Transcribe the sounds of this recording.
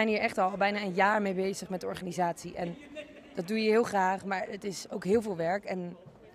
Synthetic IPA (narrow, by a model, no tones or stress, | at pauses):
ɛjniːɹʔɛχtɑlˠbɛjnaːənjaːɹmejbejzəχmɛdəɔɹχaːnizaːtsiʔɛn | d̥ɑd̚ujəɦɪːlˠχraːχmaːɹətɪsowkɦɪːlˠvɪːlˠʋɛɹkɛn